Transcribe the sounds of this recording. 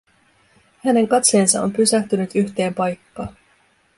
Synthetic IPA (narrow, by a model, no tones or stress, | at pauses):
hæne̞ŋkɑt̪se̞ːnsɑ̰ʔo̞mpysæht̪ynyt̪yçt̪e̞ːmpɑjkːɑːn